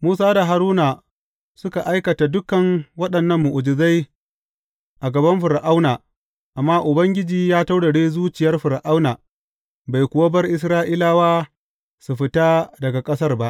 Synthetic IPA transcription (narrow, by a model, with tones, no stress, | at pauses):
muː˦s̬aː˦da˨ɦa˨ɾuː˦na˨ | sʊ˦ka˨ʔa˦jkɐ˨ta˨dʊ˦kɐ˨ŋwɐ˦ɗɐ˨nːɐ˦mːʊ˨ʔʊ˨d͡ʒɪ˨za˦j | ʔa˨ɡɐ˨bɐ˦mɸʊ˨ɾʔa˦wnaː˨ | ʔa˨mːaː˦ʔʊ˨bɐ˦ŋɡʲɪ˦d͡ʒiː˨jaː˦ta˦wɽa˨ɽeː˦zuː˦t͡ʃɪ˨jɐ˦rɸʊ˨ɾʔa˦wnaː˨ | ba˨jkʷʊ˨wa˦bɐ˦rʔɪ˦s̬ɾaː˦ʔɪ˦laː˦waː˦ | su˨ɸɪ˦ta˦dɐ˨ɡa˨kʼɐ˦sɐ˦rba˦ʔ